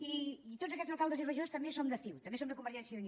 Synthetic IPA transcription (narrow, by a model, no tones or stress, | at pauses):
iit̪otd͡zzəkɛzəlˠkalˠd̪əziβəʒost̪əmbesond̪əfiwt̪əmbesond̪əkumbəɾʒɛnsjəuni